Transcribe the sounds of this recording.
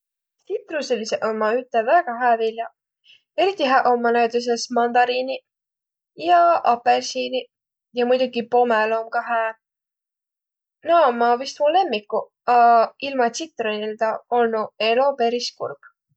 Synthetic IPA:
sit̪ruseliseʔonmɑyt̪ˑːevæɡ̥ɑɦæːvilʲjɑ | e̞ɾit̪ːˑiɦæʔo̞mːɑnæwt̪is̬esmɑnd̪ɑɾini | jɑʔɑpersini | jɑmujd̪uɡipo̞melo̞mkɑɦæː | nɑmːɑvist̪mule̞mːikːu | ɑilmɑt̪sit̪ːˑroneld̪ɑo̞lnue̞lo̞pe̞ɾiskṵrɡ̥

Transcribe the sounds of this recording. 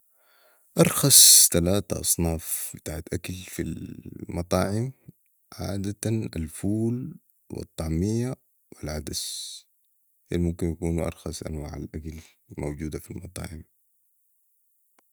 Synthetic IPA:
ʔɑɾˤxɑsˤt̪alaːt̪a̰ʔɑ̰sˤnɑːfbit̪aːʕat̪ʔakalfilmɑt̪ˤɑːʕɪm | ʕa̰ːd̪at̪ana̰lfuːl | wɪ̰t̪ˤːɑʕmijːa | wilʕad̪as | jaːnimumkinjakuːnʔɑ̰ɾˤxɑsˤʔa̰nwaːʕa̰lʔakal | mowd͡ʒuːd̪afilmɑt̪ˤɑ̰ːʕɪm

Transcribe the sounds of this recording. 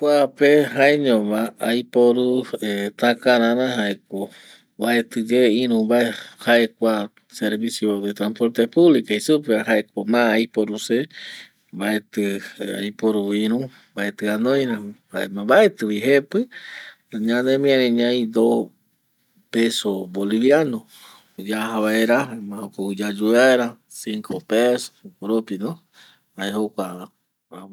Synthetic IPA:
kʷapeɦaeɲõβãajpoɾuet̪ãkãɾãɾãɦaek̚o | βaet̪ɨd͡ʒeĩɾũβaehaekʷa | seɾβisjod̪et̪ɾampoɾt̪epuβlikaisupehaek̚omãajpoɾuse | baet̪ɨa̰jpoɾuĩɾũ | baet̪ɨanõj̃ɾãha̰emãbaet̪ɨβiɦepɨ | ɲãnemĩãɾẽɲãĩd̪o | pesoboliβjano | d͡ʒaɦaβaeɾamãokoud͡ʒad͡ʒuaeɾa | siŋkʰopeso̥koɾopino | aehokʷa

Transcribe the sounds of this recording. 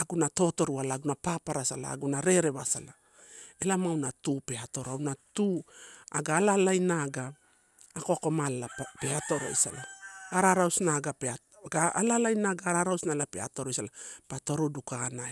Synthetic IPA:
aɡunato̞to̞ɾualaːɡunapapaɾasala̰ːɡunaɾe̞ɾe̞βasala | elamawnatupe̞ato̞ɾoawnatuaɡaːlalajnaɡaː | koako̞malapeato̞ɾo̞̰isa̰laaɾaɾawsnaɡapea | ɡaalalajnaɡaːɾaɾawsnalapea̰to̞ɾojsalapato̞ɾodukana

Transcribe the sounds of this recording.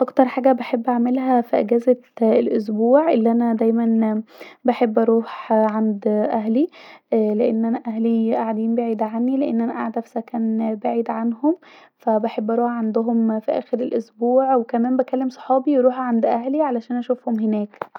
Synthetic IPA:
ʔɑkt̪ɑɾˤħaːɡæbeħebːʔaʕmelɦæfiʔæɡæːzæelʔos̬buːʕʔelːiʔænæd̪æjmænbaħebːʔɑɾˤuːħʕand̪ʔæɦli | leʔenːʔænæʔæɦliʔaʕad̪iːnbeʕiːd̪ʕanːileʔenːʔænæʔa̰ʕad̪æfi̥sækæːnbaʕiːd̪ʕanhom | fæbaħebːʔæɾˤuːħʕand̪oɦomfiʔæ̰ːxeɾelʔosbuːʕwekæmæːmbækælːemsˤɑ̥ħɑːbiwɾuːħʕand̪ʔæhliʕalæʃæːnʔæʃufhomhenæːk

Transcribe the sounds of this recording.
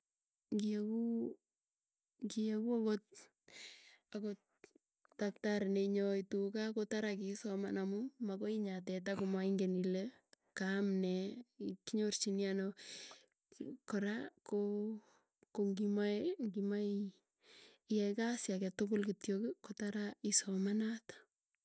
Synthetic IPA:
ŋɡieku | ŋɡiekuakot̚ | akɔt̚ | daktaɾneɲɔitukakotaɾakisɔma̰namumakɔiɲat̬ɛt̬akomaiŋɡenile | kamnɛkiɲort͡ʃinjano | kɔɾako | koŋɡimaŋɡimai | jɛkasjakɛtʊkʊlkitjokɪkotaɾaisɔmanatḁ

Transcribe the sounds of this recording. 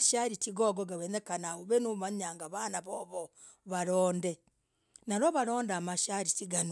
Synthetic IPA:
ʃaɾitiɡoɡoɡawenekanauβenuβaɲaːŋɡaβanaβoβo | βaɾoːnde | naɾoβaɾo̞ːndamaʃaɾitiɡan

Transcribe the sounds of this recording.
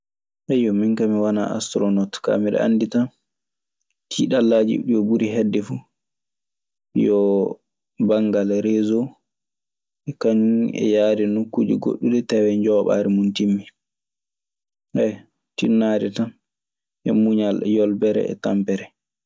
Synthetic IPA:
ʔɛjɔmiŋkamiwana̰a̰stɾɔnɔtka̰miɗɛ̰ʔa̰nːditan | tʰiːɗalːad͡ʒḭɗijɔbuɾiɦɛdːɛfu | jɔ | baŋɡalɾɛzo | ɛkaɲɛ̰jaːdɛnukːud͡ʒḭɡo̰ɗːudɛtɛwɛɲd͡ʒɔːɓa̰ɾɛmuntimːi | hɛ | tinːadɛtan | ʔɛmuɲaljɔlbɛɾɛ̰ɛ̰tampɛɾɛ

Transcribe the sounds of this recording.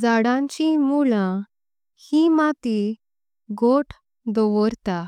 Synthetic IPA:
d͡zaɽãɲt͡ɕimulã | himat̪i | ɡoʈʰ | d̪ɔʋɔɾt̪a

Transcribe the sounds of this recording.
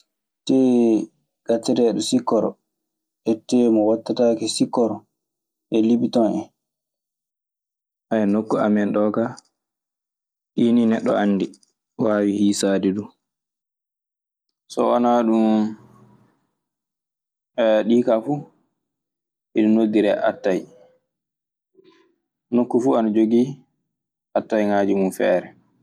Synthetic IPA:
tɛ | ɡ̥atːɛɾɛɗɔsikːɔɾɔ | ʔɛtːɛmɔwatːatakɛsikːɔɾɔ | ʔɛliɓitɔnɛ̰ | ʔajɛnokːuamɛnɗɔːɡa | ɗininɛɗːɔ̰anːdi | waːwihiːsaːdidu | sɔ̰ɔnaɗum | ɛɗiːkafu | iɗunodːiɾɛʔa̰tːaj | nokːufuanad͡ʒoɡi | ʔatːajŋaːd͡ʒimunfɛ̰ːɾɛ

